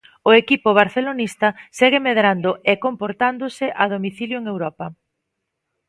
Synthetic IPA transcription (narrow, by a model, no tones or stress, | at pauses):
ʊekipʊβ̞aɾθelonist̪ɐseɣɪmeðɾand̪ʊekompoɾt̪and̪ʊsɪʔaðomiθiljoeŋewɾɔpɐ